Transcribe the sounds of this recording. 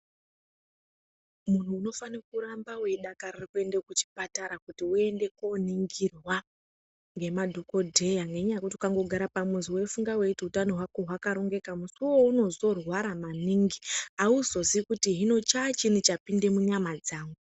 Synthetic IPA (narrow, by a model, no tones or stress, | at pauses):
mun̤uːno̞fanekuɾambawe̞ɗakaririkue̞ndekut͡ʃi̥pataɾakutiue̞nde̞ko̞niŋɡirwa | ŋɡemadʱoko̞dʱe̞jaŋɡe̞ɲakutikaŋɡo̞ɡʱaɾapamuziwe̞fuŋɡaweitutanoɦwako̞ɦwakaɾo̞ŋɡe̞kamusuwo̞uno̞zo̞rwaɾamaniŋɡiauzo̞zikutiɦino̞t͡ʃat͡ʃinit͡ʃapinde̞muɲamad͡zaːŋɡu